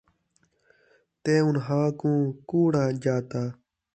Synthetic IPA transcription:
t̪eːʊnɦãːkũːkuːɽãːd͡ʒaːt̪aː

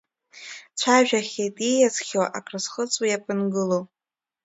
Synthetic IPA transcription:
t͡ɕʷʰaʒᶣaχʲejtʼijazχʲowaʔakʰʼrɨsχət͡sʷʼwajapʼɨnɡɨlo

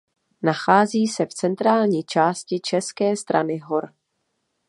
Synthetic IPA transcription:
naxaːziːsɛft͡sɛnt̪ɾaːlɲiːt͡ʃaːscɪt͡ʃɛskɛːst̪ɾa̰nɪɦo̞ɾ

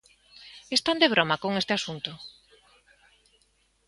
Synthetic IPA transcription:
est̪and̪eβ̞ɾomakoŋest̪ɪasunt̪ʊ

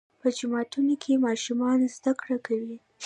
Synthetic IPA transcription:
pəd͡ʒʊmɑtunokʰemɑʃumɑnzd̪akɽakʰawi

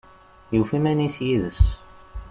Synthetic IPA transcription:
jufimænisjiðəs

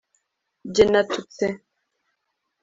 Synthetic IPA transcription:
d͡ʒenatut͡sɛ

